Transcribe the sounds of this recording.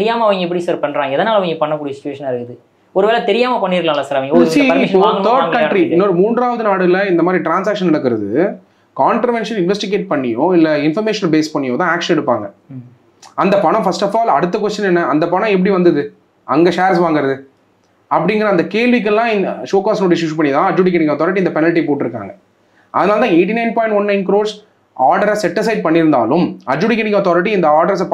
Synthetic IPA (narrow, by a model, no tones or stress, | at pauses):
t̪ɾɪjaːmɐɐʋɐŋɡɐɛp̬ːɐɽisɐɾpɐɳːɾãːŋɡɐɛðɐnaːlɐʋɐŋɡɐpɐɳːɐk̬ːuːɽijɐsɪt͡ʃːʊʋeːʂɐnɐɾɯkːɯðɯ | ɔɾɯʋeːlɐt̪ɛɾɪjaːmɐpɐɳːiːɾklaːlːɐsaːɾɐʋɐŋɡɐsipːoːŋɡɐɐːɾɡkɐʈɾiɪnːoːɾɯmuːɳɖɾaːʋɐðɯnaːɽɯlɐɪnd̪ɐmaːd̪ɾiʈɾaːnsaːkʂɐnɐɽɐk̬ːɯɾɐðɯ | kaːɳʈɾɐʋɛnʂɐnɪnʋɛsʈɪɡeːʈ̚pɐɳːɪjõːɪlːɐɪnfɐɾmeːʂɐnbeːspɐɳːɪjõːt̪ãːaːkʂɐnɛɽɯpːaːŋɡɐ | ɐnd̪ɐpɐɳɐ̃fɐsʈɐfaːlɐɽɯt̪ːɐkʋɐsʈːɐnɛnːɐɐnd̪ɐpɐnɐ̃ɛp̬ːɐɽiʋɐnd̪ɐðɯ | ʔɐŋɡɐʂeːɐɾsʋaːŋɡɪɾɐðɯ | ɐp̬ːɐɽɪŋɡɐɾɐnd̪ɐkeːɭʋɪk̬ːɯlːãːʂoːkaːsnoːɽijɐʃʊʃupɐɳːɪðãːɐd͡ʒuːɽɪk̬ːɐʈɪkːaːt̪ɔːɾɪʈ̬iɪnd̪ɐpɛnɐlʈipoːʈːɪɾɯkːa̰ːŋɡɐ | ʔɐ̰ðɐnaːlɐt̪ãːeːʈ̬ːinɐɪnpaːɪ̃ɳʈʋɐnːɐɪnkɪɾoːɾs | aːɾɖɐɾɐsɛʈːɪsɐɪɖ̚pɐɳːɪɾɯnd̪a̰ːlʊmɐd͡ʒuːɽɪk̬ːɐnɪkːaːt̪ɔːɾɪʈ̬ːiɪnd̪ɐaːɾɖɐɾɐs̬p